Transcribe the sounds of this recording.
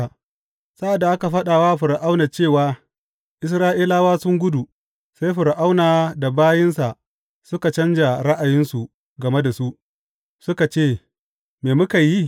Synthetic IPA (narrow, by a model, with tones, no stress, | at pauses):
sa˦ʔa˨dːa˨ʔa˦ka˨ɸɐ˦ɗaː˨waː˦ɸʊ˨ɾʔa˦wna˨t͡ʃeː˦˨waː˦ | ʔɪ˦s̬ɾaː˦ʔiː˦laː˦waː˦sʊ˦ŋɡʷʊ˦du˨ | sa˦jɸʊ˨ɾʔa˦wnaː˨da˨baː˦jɪ˦nsa˨ʔ | sʊ˦ka˨t͡ʃɐ˦nd͡ʒa˨ɽɐ˦ʔa˨jɪ˦nsu˨ʔ | ɡɐ˨me˦da˨su˦ʔ | sʊ˦ka˨t͡ʃeː˦˨ | meː˨mʊ˦ka˨ji˦